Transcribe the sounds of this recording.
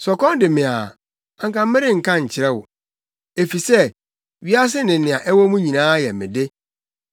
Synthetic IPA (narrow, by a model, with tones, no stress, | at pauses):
sɔ˨kɔ̃˦n˦dɪ˨mɪ̃˨a̰˨ | ã˨ŋkã˨m˦mɪ˦ɾɪ˦ŋ̩˨kʰã˦ɲ̩˨t͡ɕʰɪ˨ɾɛ˦wʊ̰˨ | e˨fi˨sɛ˦ | ɥi˦a˦s̬ɪ˦nɪ̃˨nɪ̃˨a˨ʔɛ˦wɔ˦mũ˦ɲĩ˨nãː˦jɛ˨mɪ̰̃˨de˦